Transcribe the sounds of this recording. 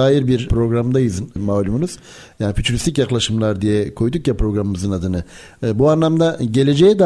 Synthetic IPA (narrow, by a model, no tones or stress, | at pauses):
aːjiɾbiɾpɾo̞ɡɾamd̪ajɯznmaːlʲumunuz̥ | jaːnifyt̪ʰyɾʲist̪ic̬jaklˠaʃɯmlˠaɾd̪ijɛkʰo̞jd̪ukjapɾo̞ɡɾamɯmɯzɯnad̪ɯnɯ | buanlˠamd̪aɟe̞lʲed͡ʒɛjɛd̪a